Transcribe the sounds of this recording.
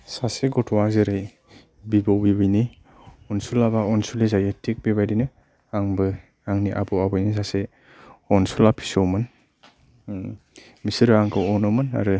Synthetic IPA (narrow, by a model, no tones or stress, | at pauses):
saseɡɔtʰwazɯɾɯj | bibɔwbibɯjni | ɔnsulabaɔnsulezajetʰek̚bibajdinɯ | aŋbɯ | aŋniʔa̰bɔabɯjnis̬ase | ɔnsulapʰi̥sowmɯn | misɯɾɯaŋkʰɯwɔnɔmɯna̰ɾɯ